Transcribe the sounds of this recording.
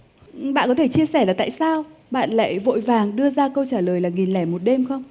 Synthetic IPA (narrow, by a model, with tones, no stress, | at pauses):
ɓa̰ː˧˨nkɔ˨˦t̪ʰe˧˩t͡ɕi˧əsɛː˧˩laː˨˩t̪a̰ː˧˨jsaː˧wɓa̰ː˧˨nla̰ː˧˨jvo̰˧˨jvaː˨˩ŋɗɨ˧əzaː˧kə˧wt͡ɕaː˧˩ləː˨˩jlaː˨˩ŋi˨˩nlɛ˧˩jmo˨˩t̚ɗe˧mxə˧wŋ͡m